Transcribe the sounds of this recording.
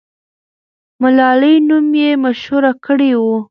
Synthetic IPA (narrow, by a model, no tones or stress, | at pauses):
mʊlɑləjnumjemaʃhuɾakəɽewu